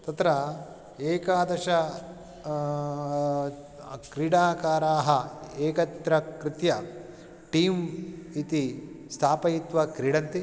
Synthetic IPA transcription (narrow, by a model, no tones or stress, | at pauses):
t̪ɐt̪ɾɐ | eːkaːd̪ɐʃɐ | kɾiːɽaːkaːɾaːɦɐeːkɐt̪ɾɐkɾɪt̪jɐ | ʈiːmit̪ist̪ʰaːpɐjit̪ʋɐkɾiːɽɐnt̪i